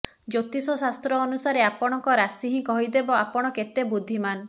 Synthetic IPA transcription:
d͡ʒot̪isɔsast̪ɾɔːnusaɾeapɔɽ̃ɔŋkɔɾasiɦĩkɔɦid̪ebɔapɔɽ̃ɔket̪ebud̪ʱːiman

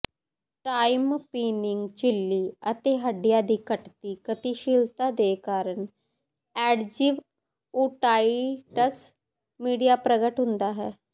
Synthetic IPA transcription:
ʈaːimpiːnɪŋɡt͡ʃɪlːiːət̪eːɦəɖijaːd̪iːkəʈt̪iːkət̪iːʃiːlt̪aːd̪eːkaːɾəɳ | ɛːɖd͡ʒɪʋ | uːʈaːiʈəs | miːɖijaːpɾəɡəʈɦʊ̃nd̪aːɦɛː

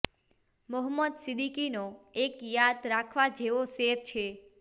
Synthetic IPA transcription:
mɔɦmːəd̪sɪd̪ikinoekjad̪ɾakʰʋad͡ʒeʋoseɾt͡ʃʰe

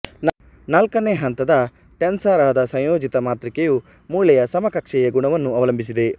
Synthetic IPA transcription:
nɐlkɐneɦɐnt̪ɐd̪ɐ | ʈensaːɾaːɐd̪ɐsɐ̃j̃joːd͡ʒit̪ɐmaːt̪ɾikeju | muːɭɐjɐsɐmɐkɐkʂɛjɐɡuɳɐʋɐnːuɐʋɐlɐmbʱis̬id̪e

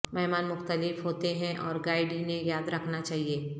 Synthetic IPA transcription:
mɛɦmaːnmʊxt̪əlɪfɦoːt̪eɦɛ̃ʔɔːɾɡaːɪɖinẽjaːd̪ɾɐkʰnat͡ʃaːɦieː

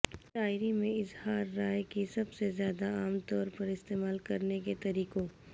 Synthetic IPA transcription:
ʈaːɪɾimẽɪzhaːɾːaːjkisɐbsezjaːd̪aaːmt̪ɔːɾpɐɾɪst̪eːmaːlkɐɾneket̪ɐɾiːqoː

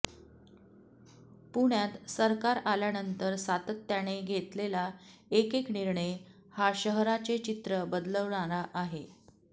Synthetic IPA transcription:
puɳjat̪səɾkaɾaljanənt̪əɾsat̪ət̪ːjaɽ̃eɡʱet̪lelaekekniɾɳe | haɕəɦɾat͡set͡ɕit̪ɾəbəd̪ləʋɳaɾaʔaɦe

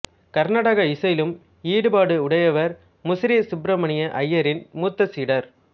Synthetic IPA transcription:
kɐɾnaːɽɐɣɐɪsɐjlɯm | iːɽɯbaːɽɯʊɽɐjɐʋɐɾ | mʊsɪɾisʊbɾɐmɐɳɪjɐʔɐjːɐɾɪnmuːt̪ːɐsiːɽɐɾ

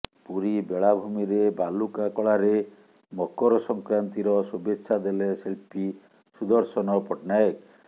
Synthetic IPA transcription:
puɾibeɭabʱumiɾebalukakɔɭaɾe | mɔkɔɾɔsɔŋkɾant̪iɾɔsubetːʃʰad̪eleselpi | sud̪ɔɾsɔnɔpɔʈnajɔk

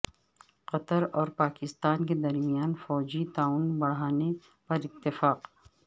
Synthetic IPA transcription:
qɐt̪əɾɔːɾpaːkɪst̪aːnk̬ed̪ɐɾmijaːnfɔːd͡ʒit̪aːunbɐɽ̤aːne | pɐɾɪt̪ːɪfaːq

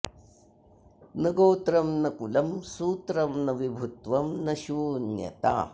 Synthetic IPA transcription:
nɐɡoːt̪ɾɐmnɐkulɐmsuːt̪ɾɐmnɐʋibʱut̪ʋɐmnɐʃuːnjɐ̰t̪a̰ː

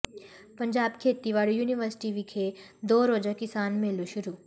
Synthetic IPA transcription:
pɐ̃ɲd͡ʒaːbkʰeːt̪iʋaːɽjuːniʋəɾsɪ̥ʈiʋikʰed̪oːɾoːd͡ʒakɪsaːnmeluʃʊɾu

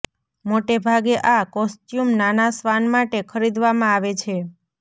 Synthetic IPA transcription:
moʈebʱaɡeʔakɔsʈjumnanasʋanmaʈekʰəɾid̪ʋamãaʋet͡ʃʰe

